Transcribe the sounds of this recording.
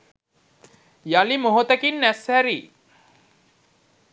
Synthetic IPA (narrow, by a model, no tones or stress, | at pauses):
jalimoɦot̪əkinːæshæɾiː